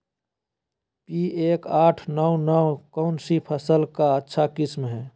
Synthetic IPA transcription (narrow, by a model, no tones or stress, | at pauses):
pieːkaːʈʰnɔwnɔwkɔːnsipʰəsəlkaətːʃʰakɪsmɦɛ̃ː